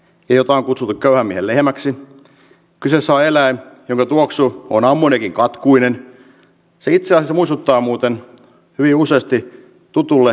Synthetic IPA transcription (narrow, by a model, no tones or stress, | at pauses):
eijot̪ɑˑiŋkut̪sut̪ːukkøyhæmːiehellehmæksi | kysesɑːelæijoŋkɑt̪uoksuonɑmːunekiŋkɑt̪kuinen | seit̪seɑsesmuist̪ut̪ːɑːmuːt̪en | hyʋiuseːst̪i | t̪ut̪ulːe